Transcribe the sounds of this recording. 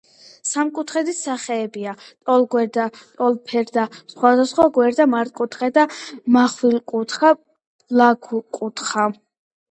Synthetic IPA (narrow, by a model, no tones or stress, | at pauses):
samkʼut̪ʰχɛd̪isaχɛːbiat̪ʼɔlˠɡwɛɾd̪at̪ʼɔlˠpʰɛɾd̪asχwad̪asχwaɡwɛɾd̪amaɾt̪ʼkʼut̪ʰχɛd̪amaχwilkʼut̪ʰχa | laɡʰkʼut̪ʰχa